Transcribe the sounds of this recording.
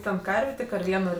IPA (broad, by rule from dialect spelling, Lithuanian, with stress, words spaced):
ˈtʲɛn ˈkɐrʲʋʲeː tʲɪk ɐr ˈʋʲiɛnoː